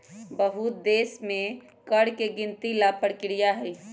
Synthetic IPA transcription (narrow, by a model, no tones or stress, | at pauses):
bəɦut̪̚d̪esme | kəɽkeɡint̪ilapəɽkɪɾijaɦəj